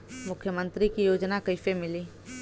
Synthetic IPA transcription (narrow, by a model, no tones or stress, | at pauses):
mʊkʰjəmə̃nt̪ɾikijoːd͡ʒnakəɪfemɪliː